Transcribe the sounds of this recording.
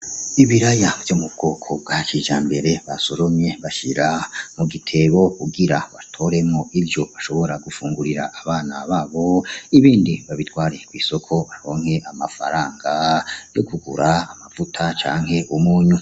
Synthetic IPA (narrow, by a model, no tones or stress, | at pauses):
iβiɾajavjomubɡ̥okʰo̞b̚ɡat͡ʃiːʒaːmbe̞ɾe̞βaso̞ɾo̞mɲe̞βaʃḭɾamuɡitʰe̞βo̞kuɡiɾaβatʰo̞ɾe̞mŋo̞ʔivjo̞βaʃo̞βo̞ɾaɡufuːŋɡuɾiɾa̰ʔːβaːnaβaːβo̞iβiːndiβaβitwaːɾe̞kwiso̞kʰo̞βaɾo̞ːŋ̥he̞ʔamafa̰ɾaːŋɡajokuɡṵɾaːmavutʰat͡ʃa̰ːŋhe̞ʔumuːɲu